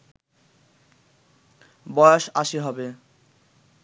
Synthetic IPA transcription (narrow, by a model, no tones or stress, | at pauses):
bɔjoʃaʃeɦɔbe